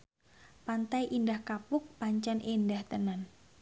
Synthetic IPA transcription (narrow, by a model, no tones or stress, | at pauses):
pant̪ajʔindahkapʊk̚paɲt͡ʃanʔendaht̪ənan